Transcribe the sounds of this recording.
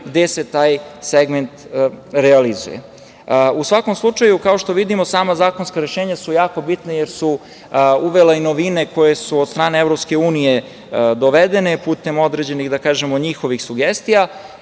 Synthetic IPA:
ɡd̪eset̪aːjseɡment̪ɾɛalizṵjḛ | usʋako̞mslˠut͡ʂajukao̞ʃt̪o̞ʋid̪imo̞saːmazaːko̞nskaɾeʃeːɲasujaːko̞bit̪nejeɾsu | uʋeleinoʋineko̞jesuod̪st̪ɾaːneevɾopskeuːnije | d̪o̞ʋed̪enepuːt̪e̞mo̞d̪ɾed͡ʑe̞niɣd̪akaːʒemoɲixo̞ʋixsuɡest̪ija

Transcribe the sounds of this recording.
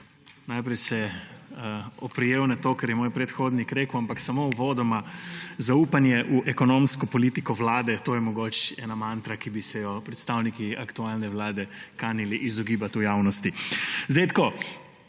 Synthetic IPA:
najpɾɛjsɛ | ɔpɾijeːwnat̪oːkɛɾjɛmoːjpɾɛt̪xoːd̪nikɾeːkuampaksamowʋoːd̪ɔmazauːpanjɛʔuʔɛkɔnomskɔpɔliːt̪ikɔʋlaːd̪ɛt̪oːjɛmɔɡoːt͡ʃɛ̰ːnamant̪ɾakibisɛjɔpɾɛt̪st̪awnikiakt̪ualnɛʋlaːd̪ɛkaniliʔizɔɡiːbat̪ujaːwnɔst̪izd̪eɪjt̪koː

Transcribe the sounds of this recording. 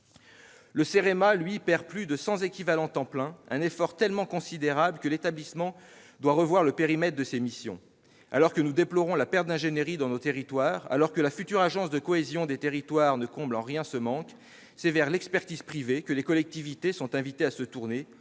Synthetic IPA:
ləseʁemalɥipɛʁplyd̪əsɑ̃zekʲivalɑ̃t̪ɑ̃plɛ̃ɛ̃nefɔʁt̪ɛlmɑ̃kɔ̃sid̪eʁabləkəlet̪ablismɑ̃ | d̪waʁəvwaʁləpeʁimɛt̪χd̪əsemisjɔ̰̃ | alɔʁkənud̪eplɔʁɔ̃lapɛʁt̪̚d̪ɛ̃ʒeneʁid̪ɑ̃not̪eʁit̪waːʁa̰lɔʁkəlafyt̪yʁaʒɑ̃sd̪əkɔezjɔ̃d̪et̪eʁit̪waʁnəkɔ̃blɑ̃ʁjɛ̃səmɑ̃k | sɛvɛʁlɛkspɛʁt̪iz̥pχivekəlekɔlɛk̚t̪ivit̪esɔ̃t̪ɛ̃vit̪easət̪uʁne

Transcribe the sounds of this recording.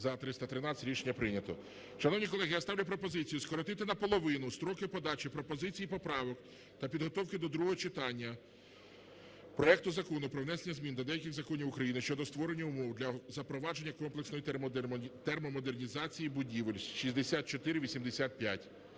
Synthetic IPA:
zɐt̪ɾɪst̪ɐt̪ɾɪnɑɾʲiʃenʲːɐpɾɪnʲɐt̪ɔ | ʃɐnɔwnʲik̬ɔlˠɛɦɪjast̪ɑwlʲʊp̬ɾɔpɔzɪt͡sʲijʊskɔɾɔt̪ɪt̪ɪnɐpɔlˠɔʋɪnʊst̪ɾɔkɪpɔd̪ɑt͡ʃipɾɔpɔzɪt͡sʲijipɔpɾɑʋɔk | t̪ɐpʲid̪ɦɔt̪ɔwkɪd̪ɔd̪ɾuɦɔɦɔt͡ʃɪt̪ɑnʲːɐ | pɾɔɛk̚t̪ʊzɐkɔnʊpɾɔwnɛsenʲːɐzʲmʲind̪ʲɐd̪ɛjɐkʲɪɣzɐkɔnʲiwʊkɾɐjinɪʃt͡ʃɔd̪ɔst̪ʋɔɾenʲːɐʊmɔwd̪lʲɐzɐpɾɔʋɑd͡ʒe̞nʲːɐkɔmplˠeksnɔji | t̪ɛrmɔmɔd̪ernʲizɑt͡sʲijibʊdʲiʋelʲsʲʃizʲd̪esʲat̪̚t͡ʃɔt̪ɪɾɪʋʲisʲimd̪esʲat̪̚pʲja̰tʲ

